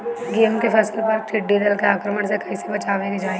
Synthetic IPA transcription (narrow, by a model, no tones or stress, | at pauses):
ɡeːmkepʰɛːsəlpəɾʈʰɪʈːid̪əlkeaːkɾəməɳ̃sekɐisebɐt͡ʃaːʋẽɡid͡ʒaːe